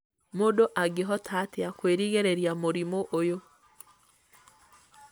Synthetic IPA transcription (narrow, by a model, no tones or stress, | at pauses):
modoʔaɡeɦɔtʰateakweːɾiɣeɾeɾjamoɾimoʔojo